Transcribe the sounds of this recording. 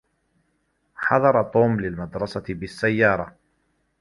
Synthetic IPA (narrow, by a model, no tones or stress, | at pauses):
ħɑðˤɑɾˤɑt̪ˤuːmlɪlmad̪ɾˤɑsɑbɪsːajːɑːɾˤɑ